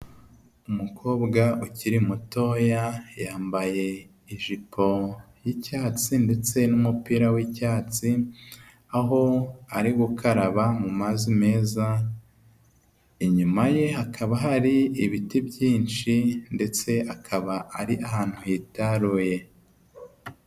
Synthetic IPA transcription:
umukʰo̞ːbɡaʔuciɾimuto̞jajaːmbaje̞ | iʒipʰo̞ | jicaːt͡sinde̞t͡se̞numupiːɾawicaːt͡si | aɦo̞aɾiɡukʰaɾaβamumazime̞ːza | iɲumaje̞ɦakʰaβaɦaɾiiβitibɟjiːnt͡ʃinde̞t͡se̞akʰaβaʔaɾiʔahaːn̥hujitaɾuːje̞

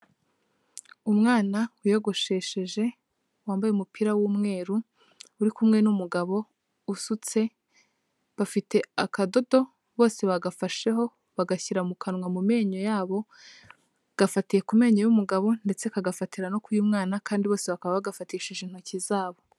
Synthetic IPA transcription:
umŋaːnawujo̞ɡo̞ʃe̞ːʃe̞ʒe̞ | waːmbajeumupiɾawumŋe̞ːɾu | uɾikumŋe̞numuɡaβo̞ | usut͡se̞ | βafite̞akado̞do̞ | βo̞ːse̞βaɡafaʃe̞ɦo̞ | βaɡaçiɾamukʰanwamume̞ːɲo̞jaːβo̞ | ɡ̥afatije̞kume̞ːɲo̞jumuɡaβo̞nde̞t͡se̞kaɡafatiɾano̞kujumŋaːnakʰaːndiβo̞ːse̞βakaβaβaɡafatijeʃiʒin̥hucizaːβo

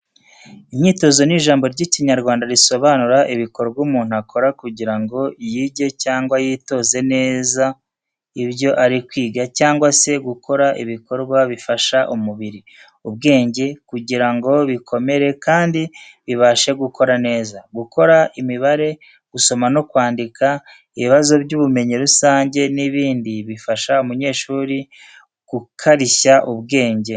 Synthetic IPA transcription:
iɲiːto̞zo̞niʒaːmbo̞ɾɟiciɲaɾɡwaːndaɾiso̞βaːnuɾaʔiβiko̞ɾɡwuːmuːn̥uakʰo̞ɾakuɟiɾaŋɡo̞jiːɟe̞caːŋɡwajiːto̞ːze̞ne̞ːza | iβjo̞ʔaɾikwiːɡacaːŋɡwase̞ɡukʰo̞ɾaʔḭβiko̞ɾɡwaβifaʃaʔumuβiɾi | ub̚ɡe̞ːɲɟe̞kuɟiɾaŋɡo̞βikʰo̞me̞ɾe̞kaːndiβiβaʃe̞ɡukʰo̞ɾane̞ːzaɡuko̞ɾaʔimiβaɾe̞ | ɡ̥uso̞mano̞kwaːndika | iβiβazo̞bɟuːβume̞ɲiɾusaːɲɟe̞niβiːndiβifaʃaumuɲe̞ːʃuːɾi | ɡ̥ukʰaɾiçaʔuβɡe̞ːɲɟe̞

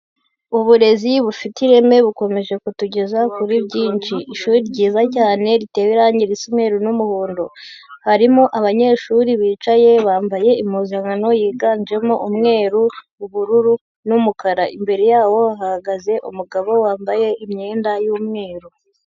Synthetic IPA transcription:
uβuɾe̞ziβufitiɾe̞me̞βuko̞me̞ʒe̞kutuɟe̞zakuɾibɟiːnt͡ʃiːʃuːɾiɾɟiːzacaːne̞ɾite̞weɾaːɲɟiɾisimŋe̞ːɾunumuhuːndo̞haɾimoʔaβaɲe̞ːʃuɾiβiːt͡ʃaje̞βaːmbaje̞imuːzaŋano̞jiːɡaːɲd͡ʒe̞moʔumŋe̞ːɾu | uβuɾuɾu | numukaɾaimbe̞ɾe̞jaːwo̞aɦahaɡaze̞ʔṵmuɡaβo̞waːmbaje̞ʔimɲe̞ːndajuːmŋe̞ːɾu

